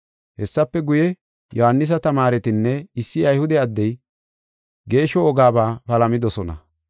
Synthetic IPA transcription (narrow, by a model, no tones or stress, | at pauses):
hɛsːɐpːɛɡʊjɛ | jɔhɐnːɪs̬ɐt̪ɐmaːɾɛt̪ɪnːɛɪsːɪɐjhʊd̪ɛɐd̪ːɛj | ɡe̞ːʃːɔːɡaːbaːpɐlɐmɪd̪ɔsɔnɐ̰